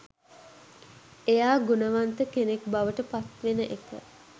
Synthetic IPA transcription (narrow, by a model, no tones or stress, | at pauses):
ejaːɡunəʋant̪əkenek̚baʋəʈəpat̪ʋenəʔekə̰